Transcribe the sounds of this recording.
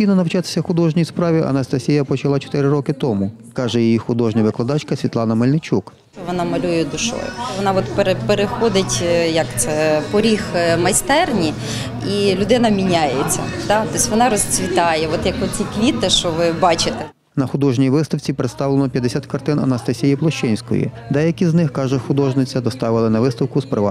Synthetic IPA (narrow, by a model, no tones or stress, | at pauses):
ijnɔnɐwt͡ʃɑt̪ɪ̥sʲɐxʊd̪ɔʒnʲijispɾɑʋʲiʔɐ̰nɐst̪ɐsʲijɐpɔt͡ʃɐlˠɑt͡ʃɔ̥t̪ɪɾɪɾɔkɪt̪ɔmʊ | kɑʒɛjijixʊd̪ɔʒnʲɐʋɪklˠɐd̪ɑt͡ʃkɐsʲʋʲit̪lˠɑnɐmɐlʲnɪt͡ʃʲuk̪ɛʋɔnɑmɐlʲujɛd̪ʊʃɔ̰jʊ̰ʋɔnɑʋɔt̪peɾepeɾexɔd̪ɪtʲjɐkt̪sɛpɔɾʲixmɐjst̪ɛrnʲi | ilʲʊd̪ɪnɐmʲinʲajet͡sʲːɐ̰t̪ɑt̪ɔsʲʋɔnɑɾɔsʲt͡sʲʋʲit̪ɑjɛʋɔt̪jɐkɔt͡sʲikʋʲit̪ɪʃɔʋɪbɑt͡ʃɪt̪ɛ | nɐxʊd̪ɔʒnʲijʋɪst̪ɐwt͡sʲipɾet̪st̪ɑwlˠenɔpʲjɐd̪esʲat̪kɐrt̪ɪnɐnɐst̪ɐsʲijiplˠɔʃt͡ʃɛnʲsʲkɔ̰jḭ | d̪ɛjɐkʲiznɪxkɑʒɛxʊd̪ɔʒnɪt͡sʲɐd̪ɔst̪ɑʋɪlˠɪnɐʋɪst̪ɐwkʊspɾɪʋɑ̰